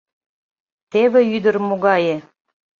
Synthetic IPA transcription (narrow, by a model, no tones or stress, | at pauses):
t̪eβĕyd̪ə̆rmoɣɑje